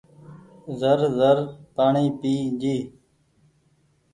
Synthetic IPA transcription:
zəɾzəɾpaːɳiːpiːd͡ʒiː

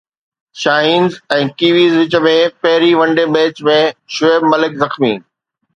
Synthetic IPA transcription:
ʃaːɦiːnzɛ̃ːkiːʋiːzʋɪt͡ɕə̆mẽpɐɦɪɾiʋɐ̃ɳɖemẽːt͡ɕmẽʃʊeːbmɐlɪkzɐxmiː

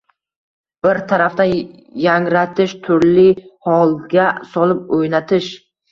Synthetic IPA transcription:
b̥ɪɾt̪ʰaɾaft̪an | jaŋɾat̪ʰɪʃt̪ʰʊɾlɪhɒlˠɡʲasɒlɪp̚ojnat̪ʰɪʃ

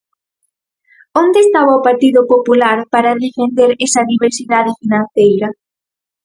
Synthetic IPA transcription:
ond̪eːst̪aβaopaɾt̪iðʊpopulaɾpaɾaðefend̪eɾesɐðiβeɾsiðaðɪfinãnθejɾɐ

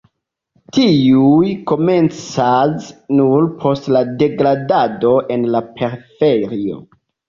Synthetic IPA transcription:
tiujko̞me̞nt͡sasnuɾpʰo̞stlade̞ɡɾadado̞ʔe̞nlapʰe̞ɾfeɾio̞̰

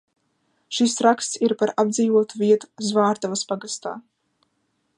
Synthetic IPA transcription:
ʃisɾakst̪siɾpaɾab̚d̪ziːvuɔt̪uviɛt̪u̥zvaːɾt̪avaspaɡast̪a̰ː

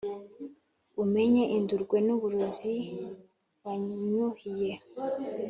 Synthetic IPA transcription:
ume̞ɲeʔinduɾɡwe̞nuβuɾuzi | βaɲuhije

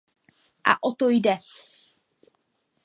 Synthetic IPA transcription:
ʔa̰ʔot̪ojdɛ

